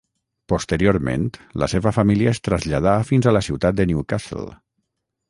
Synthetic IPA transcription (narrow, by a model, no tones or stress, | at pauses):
post̪əɾioɾmḛnt̪lə̰seβəfamiliəest̪ɾəzʎað̞afinzələsiwt̪at̪̚d̪ənjukasə̰l